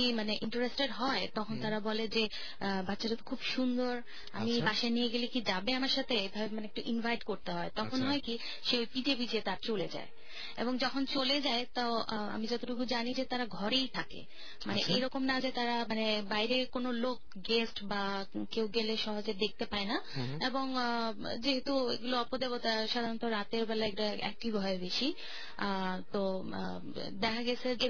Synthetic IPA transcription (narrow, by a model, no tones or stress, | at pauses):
imaneʔiɳʈɾesʈeɖɦɔet̪ɔkʰont̪aɾabɔled͡ʑe | batːɕaɾat̪o̥kʰubʃund̪oɾ | a̰mibaʃanieɡelikid͡ʑabeamaɾʃat̪ʰebʱamaneekʈuʔinvʱajʈkoɾt̪eɦɔet̪ɔonɦɔeki | ʃeojpid͡ʑebid͡ʑet̪aɾt͡ɕoled͡ʑa̰e | ḛboŋd͡ʑɔkʰont͡ɕoled͡ʑaet̪aa̰mid͡ʑɔt̪oʈuɡud͡ʑanid͡ʑet̪aɾaɡʱɔɾejt̪ʰakḛ | maneʔḛjɾɔkomnad͡ʑet̪aɾamanebajɾekonolok̚ | ɡesʈba | kewɡeleʃɔɦod͡ʑeɾd̪ek̚t̪epaena | eboŋ | d͡ʑeɦet̪uḛɡuloɔpod̪eβot̪aʃad̪ʱant̪oɾat̪eɾbɛlaɛkʈaɛ̰k̚ʈibɦɔebeʃi | t̪o | d̪ɛkʰaɡɛt͡ɕʰee